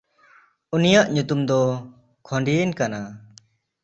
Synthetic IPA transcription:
unijaʔɲut̪umd̪ɔ | kʰɔɳɖinkana

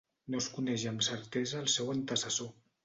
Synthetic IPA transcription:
noskunɛʒəmsəɾt̪ɛzəːlˠsɛwənt̪əsəso

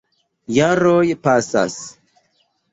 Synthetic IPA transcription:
jaɾojpasa̰s

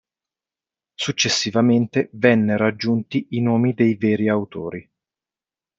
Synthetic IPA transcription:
sut͡ʃːesːivament̪evɛnːeɾad͡ʒːunt̪iʔinoːmid̪ejveːɾiawt̪oːɾi

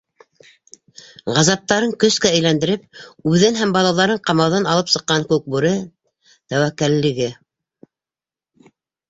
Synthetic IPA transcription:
ʁɑzɑp̚t̪ɑɾɤŋkɵ̆skæɘ̆jlænd̪ɘ̆ɾɘp̚ʉðɘnɦæmbɑlˠɑlˠɑɾɤɴqɑmɑwðɑnɑlˠɤpsɤ̆qːɑŋkʉk̚buɾɤ | t̪æwækːælːɘ̆ɡɘ

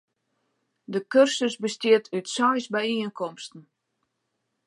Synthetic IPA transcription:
dəkørsəsbəstjɪətʰytsɔjsbɛjiənkʰɔmstn̩

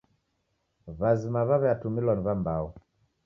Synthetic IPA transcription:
βazimaβaβɛatumilwaniβambaɔ

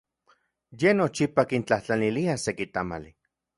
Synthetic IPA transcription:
jenot͡ʃipakint͡ɬaht͡ɬaniliasekit̪ama̰li

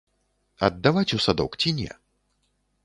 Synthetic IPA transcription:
ɐ̰d̪ːavat͡sʲusad̪ɔ̰wkt͡sʲinʲɛ̰

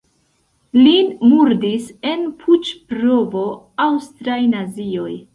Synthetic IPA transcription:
linmuɾdise̞npʰut͡ʃpɾovo̞ | awstɾajnazio̞j

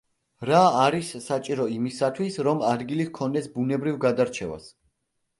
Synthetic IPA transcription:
ɾaːɾisːat͡ʃʼiɾɔimisat̪ʰwisɾɔmad̪ɡilihkʰɔnd̪ɛsbunɛbɾivɡad̪aɾt͡ʃʰɛva̰s

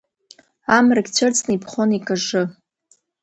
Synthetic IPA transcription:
amraɡʲt͡ɕʷʰart͡sʼnɨipʰχonikʼaʐɨ

